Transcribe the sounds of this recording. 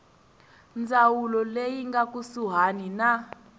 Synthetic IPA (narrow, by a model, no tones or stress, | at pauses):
nd͡zʱawulɔlejiŋɡak̬ʼusuɦanina